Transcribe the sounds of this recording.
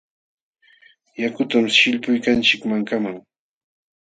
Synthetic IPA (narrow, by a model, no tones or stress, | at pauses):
jakʊt̪amʃɪʎpʊjkant͡ʃɪkmaŋkamaŋ